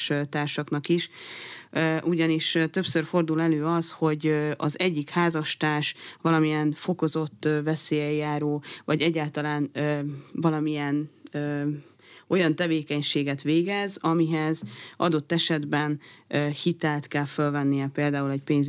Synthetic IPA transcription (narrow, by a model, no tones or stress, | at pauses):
ʃt̪aːrʃɒknɒkiʃ | øʔuɟɒniʃt̪ø̞psørfo̞rd̪ulɛløːɒsho̞ɟɒ̰zɛɟːikhaːzɒʃt̪aːʃvɒlɒmijɛnfo̞ko̞zo̞t̪ːvɛseːjɛjːaːɾoːvɒɟɛɟːaːlt̪ɒlaːnː | vɒlɒmijɛnøː | o̞jɒnt̪ɛveːkɛɲʃeːɡɛt̪ʋeːɡɛzɒmiɦɛzʔɒ̰d̪o̞t̪ːɛʃɛd̪bɛnøhit̪ɛlt̪kɛlfølvɛnːijɛpeːld̪aːulɛɟpeːɲz